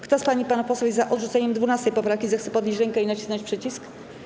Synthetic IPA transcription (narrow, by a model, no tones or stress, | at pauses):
kt̪ɔspaɲipanapɔswɛzːaʔɔd̪ʐut̪sɛɲɛmd̪vunast̪ɛjpɔpɾafkʲizɛxt̪sɛpɔd̪ʲɲeɕd͡ʑɾɛŋkɛinat͡ɕisnat͡ɕpʂɛt͡ɕisk